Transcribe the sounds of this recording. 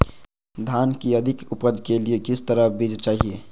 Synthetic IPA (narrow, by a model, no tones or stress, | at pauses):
d̪ʱaːnkiəd̪ʱɪkʊpəd͡ʒʱkeliekɪst̪əɾəbid͡ʒt͡ʃaːɦie